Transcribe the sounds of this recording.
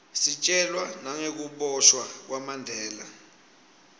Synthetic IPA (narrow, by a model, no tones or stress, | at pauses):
sit͡ʃʼɛlwanaŋek̬uɓɔʃwak̬wamandʱɛːla̰